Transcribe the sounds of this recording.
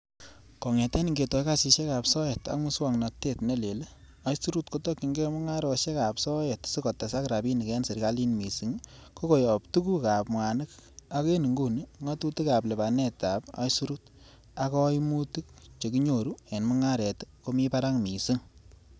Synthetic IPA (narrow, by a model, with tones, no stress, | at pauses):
kɔ˨ŋɛ˨tɛ˦ni˨ŋɡe˨tɔ˨jkasi˨ʃe˦ka˨psɔ˦je˨ta̰˨kmu˦swa˨ŋna˨te˦˨tne˦le˨le˦ | a˦jsu˦ɾu˦tko˦tɔ˦kːi˨ŋɡe˦mʊ˦ŋa˦ɾɔ˨ʃe˦ka˨psɔ˦je˨tsi˦kɔ˨tːa˨sa˦kɾa˨bi˦ni˨kɛ˦nse˨ɾka˦li˦nmi˨si˦ŋko˦ko˨jɔ˨ptu˦ku˦ka˨pmwa˨nɨ˦ka˦ke˦nɨ˨ŋɡu˦ni˦ŋa˦tu˦ti˦ka˨ple˨ba˨nɛ˦ta˨pa̰˦jsu˦ɾu˦t | a˦kɔ˦jmu˦ti˦k̚t͡ʃe˨ki˦ɲo˨ɾu˦e˨nmʊ˦ŋa˦ɾɛ˨tko˦mi˦pa˦ɾa˦ŋmi˨si˦ŋ